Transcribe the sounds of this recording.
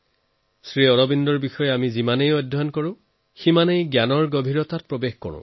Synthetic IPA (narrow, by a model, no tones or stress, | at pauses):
sɹiɔɹɔbindɔɹbixɔjɛamizimanejɔdʱankɔɹʊ̃ | ximanejɡjanɔɹɡobʱiɹɔtat̚pɹɔbexkɔ̰ɹʊ̰̃